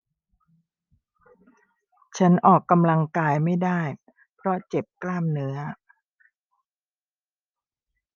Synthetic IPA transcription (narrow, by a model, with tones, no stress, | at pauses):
t͡ɕʰa˦˥nʔɔː˨˩kːa˧mla˧ŋkaː˧jma˥˩jdaː˥˩j | pʰɾɔ˦˥t͡ɕe˨˩p̚klaː˥˩mnɯ˦˥ɐ